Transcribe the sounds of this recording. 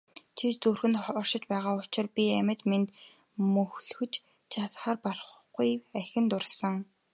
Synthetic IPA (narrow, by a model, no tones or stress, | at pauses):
t͡ɕʰit͡ɕt͡surxɘ̆nt̪χɔrʃɪ̆t͡ɕpæːʁaːʊt͡ɕɪ̆rpʲiæmʲɘ̆t̪ment̪ | mɵxɮɵxɵ̆t͡ɕ | t͡ɕʰat̪χaːrpar | ɡujæxʲɪ̆nt̪ʊrsə̆ŋ